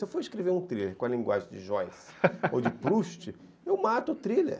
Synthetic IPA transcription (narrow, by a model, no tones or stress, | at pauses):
sewfoɾiʃkɾeveɾũt̪ɾileɾkõɐlĩŋɡwa̰ʒẽj̃d͡ʒɪʒɔjs | o̰wd͡ʒɪpɾuʃt͡ʃɪ | ewmat̪ʊːt̪ɾilḛɾ